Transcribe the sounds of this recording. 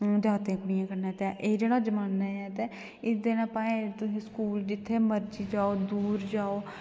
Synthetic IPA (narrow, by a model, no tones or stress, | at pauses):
d͡ʒaːt̪ẽːkmijãːkəɾneːt̪eʔeːd͡ʒeːɽaːd͡ʒəmaːnːaːjɛːt̪eː | ɪd̪eːnãːpaːẽːt̪ʊsĩːskuːld͡ʒɪt̪ʰːeːməɾd͡ʒiːd͡ʒaːoːd̪uːɾd͡ʒaːoː